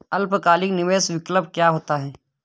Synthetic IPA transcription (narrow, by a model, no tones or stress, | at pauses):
ɐlpkaːlɪknɪʋeːsʋɪkləb̚kjaːɦoːt̪aɦɛː